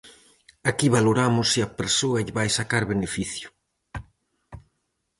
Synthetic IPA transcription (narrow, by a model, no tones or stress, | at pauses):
akiβaloɾamʊsːɪɐpeɾsoɐʎɪβajsakaɾβenefiθjʊ̥